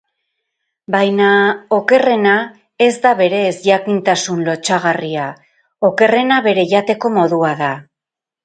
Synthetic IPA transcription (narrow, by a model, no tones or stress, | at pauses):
bajnao̞ke̞re̞na | e̞zd̪aβe̞ɾe̞ːzʝakint̪asunlo̞t͡ʃaɣ̞aria | o̞ke̞re̞naβe̞ɾe̞ʝat̪e̞ko̞mo̞ðuaða